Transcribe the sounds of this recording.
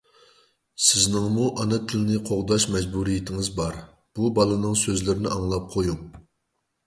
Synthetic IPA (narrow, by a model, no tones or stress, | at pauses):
sɪznɪŋmuʔɑnɨt̪ʰːɪlɪnɪqʰoʁd̪ɑʃmɛd͡ʒbuɾijɪt̪ʰɪŋɪzbɑɾ | b̥ubɑlˠɨnɨŋsøzlɪɾɪnɪɑŋlˠɑp̚qʰojuŋ